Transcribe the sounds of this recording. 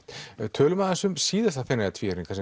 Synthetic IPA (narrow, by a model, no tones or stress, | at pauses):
t̪t̪ʰœːlʏmaːðasʏmsiːðast̪aθfɛnːaat̪ʰviːɛɾnŋkʰvas